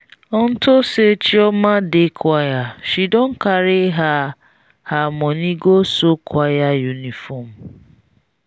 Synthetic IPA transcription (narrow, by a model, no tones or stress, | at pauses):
ɔn̩tʊset͡ʃiɔmadekʰʊajaʃidɔŋ̩kaɾɪɦa | hamɔniɡosokwajajunifɔm̩